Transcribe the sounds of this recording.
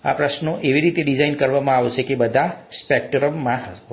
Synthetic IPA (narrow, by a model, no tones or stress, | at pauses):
a̰pɾəʃnoʔeʋiɾit̪eɖid͡ʒainkəɾʋamãaʋet͡ʃʰekebəd̪ʱaspek̚ʈɾəmːãɦə